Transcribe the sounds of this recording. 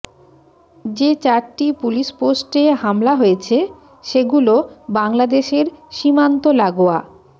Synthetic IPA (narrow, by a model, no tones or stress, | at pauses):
d͡ʑet͡ɕaɾʈipuliʃposʈeɦamlaɦoet͡ɕʰe | ʃeɡulobaŋlad̪eʃeɾʃimant̪olaɡoa